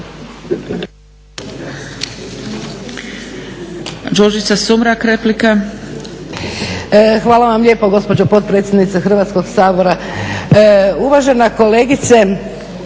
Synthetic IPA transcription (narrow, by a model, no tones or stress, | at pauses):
d͡ʒod͡ʒit̪sasumɾakɾeplika | xʋaːlaʋamʎʲe̞ːpoɡo̞spo̞d͡ʑopo̞t̪̚pɾet̪sʲjed̪nit̪sexr̩ʋat̪sko̞ɡsaːbo̞ɾa | uʋaʒe̞nako̞leːɡit̪se